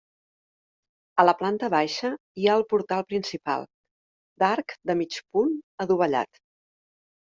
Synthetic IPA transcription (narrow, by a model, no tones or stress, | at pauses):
ələplant̪əβajʃə | iaəlˠpuɾt̪alˠpɾinsipa̰lˠ | d̪aɾkd̪əmit͡ʃpunəðuβ̞əʎa̰t̪